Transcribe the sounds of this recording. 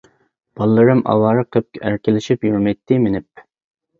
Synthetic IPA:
b̥ɑlˠːɨɾɨmɑ̰wɑːɾɨqʰəp̚kʲʔæɾkʲɪlɪʃipjyɾmɛjt̪ʰːɪmenɪp̚

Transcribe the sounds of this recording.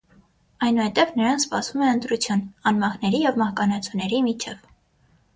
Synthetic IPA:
ɑjnuhɛt̪ɛvnəɾɑnspɑsvumɛənt̪ɾut͡sʰjunɑnmɑhnɛɾijɛvmɑhkɑnɑt͡sʰunɛɾimit͡ʃʰɛv

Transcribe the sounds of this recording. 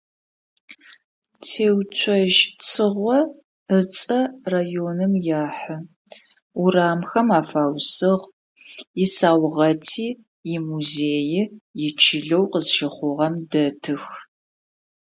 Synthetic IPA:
tʰeːwt͡ɕʷʰɐʒt͡sʰɨʁʷɔ | ət͡sʼɐraːjoːnɨmjaːħɐ | uraːmxɐmaːfaːwsɨʁ | jɪsaːwʁɐtʰiː | jɪmuzeːjɪjɪt͡ʃʰɪɮɐwqəzʃɪχʷʊʁɐmdɐtʰɨx

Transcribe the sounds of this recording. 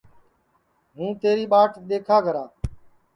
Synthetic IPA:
ɦũːt̪eːɾiːɓaːʈʰɗ̪eːkʰaːɡʱəɾaː

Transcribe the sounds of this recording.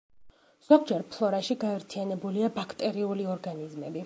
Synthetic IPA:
z̥ɔɡd͡ʒɛɾpʰlˠɔɾaʃiɡaɛɾt̪ʰianɛbuliabakʰt̪ʼɛɾiuliɔɾɡanizmɛbi

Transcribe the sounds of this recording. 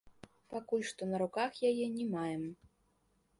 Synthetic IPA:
pakulʲʂt̪ɔnɐɾukaxjajɛnʲɛmajɛm

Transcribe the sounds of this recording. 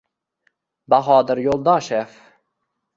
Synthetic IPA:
baɦɑːd̪əɾjolˠd̪ɑːʃef

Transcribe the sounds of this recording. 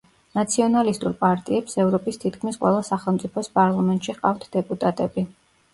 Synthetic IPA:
nat̪sʰiɔnalist̪ʼuɾpʼaɾt̪ʼiɛpsɛvɾɔpʼist̪ʰit̪kʰmisqʼwɛ̰lˠasaχɛlˠmt̪sʼipʰɔspʼaɾlˠamɛnt̪ʃiʁqʼa̰ft̪ʰd̪ɛpʼut̪ʼat̪ʼɛbi

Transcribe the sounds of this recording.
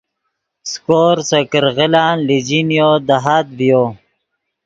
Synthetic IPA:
skoːɾsəkəɾɣɪlaːnlid͡ʑinjoːd̪aɦaːd̪vijo

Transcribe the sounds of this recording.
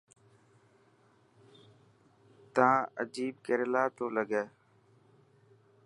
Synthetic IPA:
t̪ãːə̰d͡ʒiːbkəɾɪlaːt̪oːləɡeː

